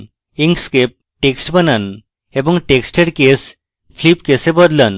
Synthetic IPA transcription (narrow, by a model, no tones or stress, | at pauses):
iŋɡskep̚ | ʈeksʈbənən | ebɔŋʈeksʈeɽkes | pʰlipkesebəd̪lən